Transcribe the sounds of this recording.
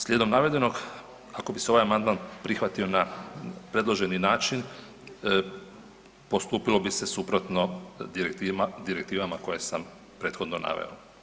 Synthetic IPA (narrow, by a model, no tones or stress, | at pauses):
slʲjed̪o̞mnaʋe̞d̪e̞no̞ɡ | ako̞biseo̞ʋajamand̪̚manpɾixʋat̪io̞napɾe̞d̪lo̞ʒe̞ninaːt͡ʃin | po̞st̪uːpilo̞bise̞supɾo̞t̪no̞d̪iɾekt̪id̪iɾe̞kt̪iːʋamako̞je̞sam | pɾe̞ːt̪xo̞d̪nona̰ʋḛo̰